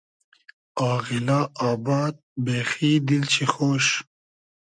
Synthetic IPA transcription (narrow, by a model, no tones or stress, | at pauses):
aːɣɪlaaːbaːd̪̚beːxiːd̪ilt͡ɕʰixoːʃ